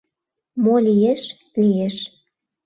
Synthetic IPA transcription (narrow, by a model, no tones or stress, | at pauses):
molijeʃ | lijeʃ